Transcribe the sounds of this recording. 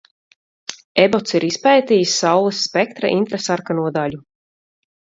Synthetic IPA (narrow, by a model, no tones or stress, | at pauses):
ebɔt̪siɾispɛjt̪ijsːawlˠɨsːpɛk̚t̪ɾa̰ʔint̪ɾasaɾkanuɔd̪aʎʲu